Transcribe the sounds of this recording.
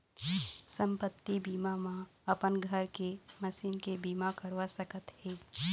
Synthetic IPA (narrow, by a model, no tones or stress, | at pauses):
sə̃mpət̪ːibiːmamãɐpənɡʱəɾkemɐsiːnkebiːmakɐɾʋasəkət̪hɛː